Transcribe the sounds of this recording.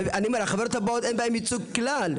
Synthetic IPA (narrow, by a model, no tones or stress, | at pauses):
animɛɾaχavɛɾt̪abɔtɛjnbaɛmit͡suɡ̚klal